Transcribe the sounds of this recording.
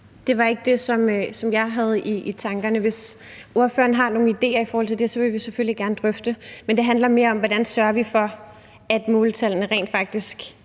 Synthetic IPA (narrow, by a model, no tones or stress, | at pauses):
d̥e̝ʋɑ̈e̝ɡ̥əd̥e̝sɒ̽møsɒ̽mjɑ̈ɪɦæð̞̩ˠiːt͡sʰɑ̈ŋɡ̥ɐnəʋe̝so̝ɐfø̰ɐnəɦɑ̈no̝ːn̩id̥e̝̰ːɐifɒːhɒ̽l̰t͡sʰed̥e̝sɒ̽ʋe̝ʋisefølliɡ̥æɐnəd̥ʁœfd̥əmend̥e̝ɦænlɐme̝ːɐɒ̽mʋɒdænsɶɐʋifɒ̽ | æd̥moːlt͡sʰælnəʁɛ̰ːnd̥fɑ̈ɡ̥̚d̥isɡ̥